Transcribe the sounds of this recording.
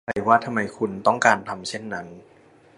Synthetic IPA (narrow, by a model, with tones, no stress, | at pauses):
a˧˩waː˥˩t̪ʰa˧mːa˧jkʰu˧nt̪ɔ˥˩ŋkaː˧nt̪ʰa˧mt͡ɕʰe˥˩nːa˦˥n